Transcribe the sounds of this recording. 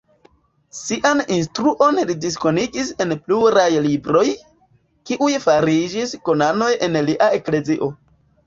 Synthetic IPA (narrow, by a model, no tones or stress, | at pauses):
siʔaninstɾuʔo̞nlidis̬ko̞niɡise̞npluɾajlibɾo̞j | kiʔujfaɾid͡ʒisko̞nano̞jʔe̞nliʔae̞kle̞ziʔo̞